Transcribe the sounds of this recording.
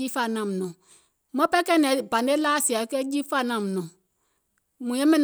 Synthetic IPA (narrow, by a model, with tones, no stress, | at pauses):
i˦fa˦˨nã˨m˨nɔ̃˨ | mɔ̃˦pɛ˦kɛ˦nɛ̃˨bã˨ne˦la˦˨si˨a˨˦kɛ˦d͡ʒi˦fa˦˨nã˨m˨nɔ̃˨ | mũ˨jɛ̃˦mɛ̃˦n˨